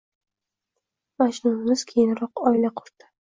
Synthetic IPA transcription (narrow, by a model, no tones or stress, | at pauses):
maʃnʊnɪmɪz̥kʲʰejɪnɾɒqɒɪlaqʰʊɾt̪ɪ̥